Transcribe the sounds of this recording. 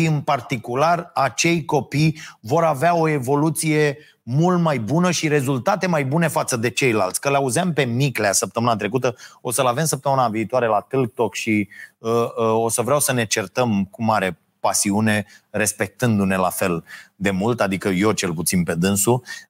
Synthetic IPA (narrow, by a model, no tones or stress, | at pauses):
ʃiɨnpart̪ikularat͡ʃe̞jko̞pijvo̞ɾaveaoe̞vo̞lut̪sije̞ | mult̪majbunəʃiɾe̞zult̪at̪e̞majbune̞fat̪səd̪e̞t͡ʃe̞jla̰lt̪sʲkəleauzeampe̞mikleasəp̚t̪əmɨnat̪ɾe̞kut̪əo̞səlave̞msəp̚t̪əmɨnaviːt̪oaɾe̞lat̪ɨlɡ̚t̪o̞kʃiəo̞səvɾeawsəne̞t͡ʃe̞rt̪əmkumaɾe̞ | pasiune̞ɾe̞spe̞k̚t̪ɨnd̪une̞la̰fe̞ld̪e̞mult̪ad̪ikəjo̞t͡ʃe̞lput̪sinpe̞d̪ɨnsu